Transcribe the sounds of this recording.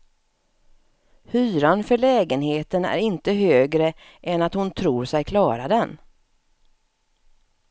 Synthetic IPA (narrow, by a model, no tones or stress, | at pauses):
hyːɾanfœɭɛːɡənheːt̪ənæ̰ɾɪnt̪əɦøːɡɾə | ʔɛnat̪hʊnt̪ʰɾuːɾsɛjkʰlɑːɾad̪ɛn